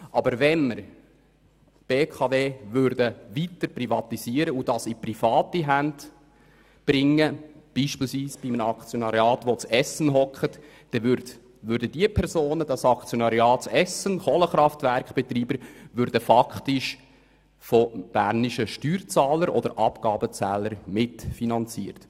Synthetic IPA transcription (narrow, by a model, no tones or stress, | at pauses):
ʔɑbəɾʋɛnməɾ | b̥eːkʰɑveːʋʏɾdəʋitəɾprivɑt̪isiəɾəud̥ɑsiprifɑːt̪iɦænd | b̥ɾɪŋːəb̥iːʃpiːlsʋiːsb̥imənɑkt͡sjonɑɾiɑːtʋot͡sɛsːənɦɔkχətː | ɛ | ʋʏɾdədiəpʰɛɾsoːnədɑsɑkt͡sjonɑɾiɑːtsɛsənχɔləχɾɑftʋæɾkχb̥ɛt̪ɾiːbəɾʋʏɾdəfɑkχtɪʃ | fɔb̥æɾniʃəʃtyːɾt͡sɑːləɾʔɔ̰d̥əɾʔɑpɡ̥ɑːbət͡sæːləɾmɪtfinɑnt͡sḭːəɾt